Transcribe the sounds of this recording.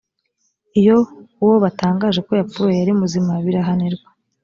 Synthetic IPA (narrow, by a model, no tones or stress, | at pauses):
ijo̞woβataːŋɡaːʒe̞ko̞japuɾojaɾimuzimaβiɾaɦaneɾɡwḁ